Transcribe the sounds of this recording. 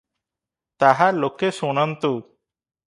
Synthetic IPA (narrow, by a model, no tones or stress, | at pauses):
t̪aɦalokesunant̪u